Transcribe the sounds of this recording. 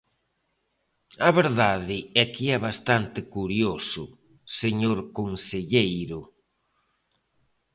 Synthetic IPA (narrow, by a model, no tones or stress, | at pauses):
aβeɾðaðɪɛkɪɛβast̪ant̪ɪkuɾjosʊ | seɲoɾkonseʎejɾʊ